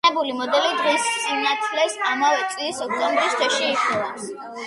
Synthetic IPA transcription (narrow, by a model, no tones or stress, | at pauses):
ɛbulimɔd̪ɛlid̪ʁissʼinat̪ʰlɛsamavɛt̪sʼiisɔk̚ʰt̪ʼɔ̃mbɾist̪ʰɔʃiːkʰɛlas